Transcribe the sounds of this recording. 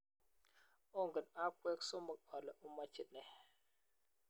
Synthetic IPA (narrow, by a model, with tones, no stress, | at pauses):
o˦ŋɡə˨na˦kwe˦kso˦mə˨k̚a˨lə˨ʔu˦ma˦t͡ʃi˦t̚ne˨